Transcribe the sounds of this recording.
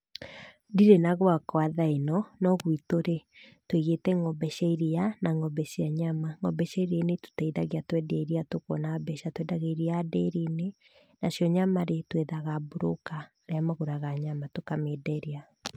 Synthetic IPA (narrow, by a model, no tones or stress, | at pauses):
diɾenaɣwakwaðaenɔnɔɣwitoɾetweɣetɛŋɔbɛʃaiɾianaŋɔbɛʃiaɲamaŋɔbɛɕaiɾeneto̥taiðaɣeatwɛdiaiɾiatokwɔnabɛʃatwɛdaɣeɾiadeɾine | nasjɔɲamaɾetweðaɣaboɾo̰ka | ɾeamaɣoɾaɣaɲamatokamedɛɾia